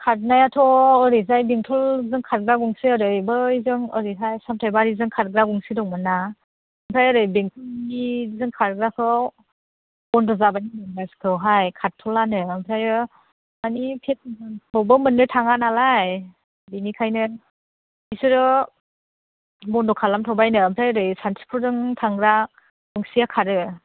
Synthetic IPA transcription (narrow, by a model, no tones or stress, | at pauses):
kʰat̚najatʰɔːɾizajbiŋtʰɔlzɯŋkʰat̚ɡɾaɡɔŋsɯəɾɯjbɯizɯŋɯɾiɦajsamtʰajbaɾizɯŋkʰat̚ɡɾaɡɔŋsɯdɔŋmɯna | ɯmpʰɾajɯɾɯjbiŋtʰulnizɯŋkʰaɾɡɾakʰɯ | bɔndɔzabanimɯŋnaskʰɯwɦajkʰatʰɔlanɯːmpʰɾajɯ | anipʰet̚bʰɔwbɯmɯnːɯtʰaŋanalaj | binikʰajnɯ | isɯɾɯ | bɔndɔkʰalamtʰɔwbajnɯːmpʰɾajɯɾɯjsantʰi̥pʰuɾdɯŋtʰaŋɡɾa | ɡuŋsijakʰaɾɯ